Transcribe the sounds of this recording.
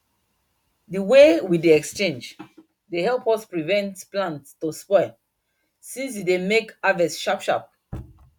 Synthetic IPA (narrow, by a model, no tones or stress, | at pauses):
dəwewidiɛkst͡ʃẽnd͡ʒ | dehɛlˠpɔspɹivɛ̃ntplãntstospɔɪ | sĩns̬idemekavɛsʃapʃa̰p̚